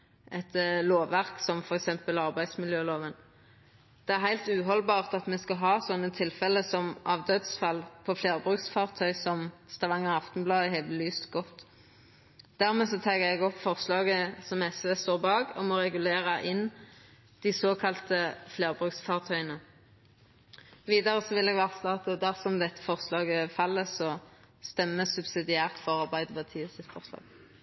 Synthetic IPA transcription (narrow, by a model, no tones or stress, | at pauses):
ʔɛt̪loːʋʋæʁksɔmfɔʁɛksɛmpəlɑʁbæɪd̪smɪljøːloːʋən | d̪̥ɛæʁɦæɪlt̪ʉːɦɔlbɑːʁt̪ɑt̪mɛskɑɦɑːsɔnːət̪ʰɪlfɛləsɔmʔɑʋd̪øːd̪sfɑlpʰɔfleːʁbʁʉksfɑːʁt̪ʰœʏsɔmst̪ɑʋɑŋːəɑft̪ɔn̩blɑːhɛɪb̪əlyːst̪ɡɔt̪ː | d̪̥æʁmɛːsɔt̪ʰɑːɡəɛɡɔpfɔʁslɑːɡəsɔmɛsʋeːst̪oːʁbɑːɡɔmɔʁɛɡʉleːʁɑʔɪn | d̪̥ɪsoːkʰɑlt̪əfleːʁbʁʉːksfɑːʁt̪ʰœʏənə | ʋiːd̪ɑʁəsɔʋɪlɛɡʋæːʁslɑːt̪d̪æʁsɔmd̪ɛt̪ːə̥fɔʁslɑːɡəfɑlːəsɔ | st̪ɛmːəsʉbsɪd̪ɪæːʁt̪fɔʁɑʁbæɪd̪əbɑt̪ʰiːəsɪt̪fɔʁslɑ̰ːɡ